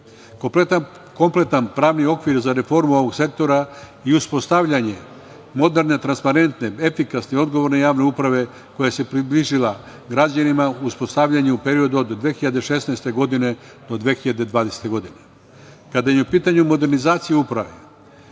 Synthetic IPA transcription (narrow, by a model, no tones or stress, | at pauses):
koplet̪a | ko̞mple̞t̪anpɾaːʋnio̞kʋiɾzaɾe̞fo̞ɾmuoʋo̞ɡse̞k̚t̪o̞ɾa | iuspo̞st̪aʋʎaɲe̞ | mo̞d̪e̞ɾne̞t̪ɾanspaɾe̞nt̪neefikasneo̞d̪ɡo̞ʋo̞ɾne̞jaːʋne̞upɾaʋe̞ | ko̞jase̞pɾibliʒila | ɡɾad͡ʑanimauspo̞st̪aʋʎaɲeupe̞ɾio̞d̪uod̪ːʋeːxiʎad̪eʃe̞snaest̪e̞ɡo̞d̪ine̞ | d̪̥o̞d̪ʋeːxiʎad̪e̞d̪ʋaːd̪ese̥t̪e̞ɡo̞d̪ine̞ | kad̪ajeupiːt̪aɲumo̞d̪e̞ɾnizaːt̪sijeupɾaʋe̞